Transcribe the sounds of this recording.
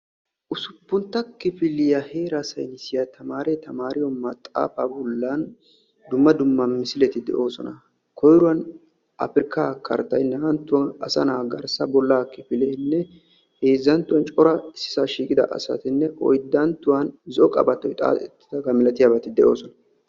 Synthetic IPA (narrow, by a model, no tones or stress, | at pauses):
ʔʊsʊpːʊnt̪ːɐkɪpɪlːɪjahe̞ːɾasɐ̰jnɪsɪjat̪ɐmaːɾɛt̪ɐmaːɾɪjɔmɐt̪ʼːa̰ːfa̰ːbɔlːɐn | d̪ʊmːɐd̪ʊmːɐnmɪsɪlɛt̪ɪd̪ɛ̰ʔo̞ːsɔnɐ | kʰɔjɾʊwɐn | ʔɐ̰fɪɾɪkːaːkʰɐ̰ɾt̪ːɐjnːɐɐnt̪ːʊwɐnɐsɐnaːɡɐɾsɐbɔlːaːkɪpɪlɛjnːɛ | he̞ːzːɐnt̪ːʊwɐnt͡ʃʼɔɾɐɪsːɪ̥saːʃiːkʼɪd̪ɐ̰ʔɐ̰sɐ̰t̪ɪnːɛʔɔjd̪ːɐnt̪ːʊwɐnzɔkʼɐ̰bɐt̪ːɔjt̪ʼa̰ːt̪ʼɛt̪ːɪ̥d̪ɐɡɐmɪlɐt̪ɪjabɐt̪ɪd̪ɛʔo̞ːsɔnɐ